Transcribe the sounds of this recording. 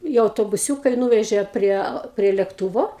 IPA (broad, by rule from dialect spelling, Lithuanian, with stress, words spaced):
ɪ ɐʊtoːbʊˈsʲuːkɐ ɪ ˈnuːʋʲɛʒʲeː ˈpʲrʲiɛ pʲrʲiɛ lʲeːkˈtuːʋoː